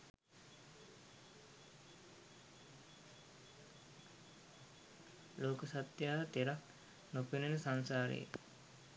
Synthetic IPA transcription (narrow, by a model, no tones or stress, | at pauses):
loːkusat̪jaːt̪eɾak | nopinenəsansaːɾḛj̰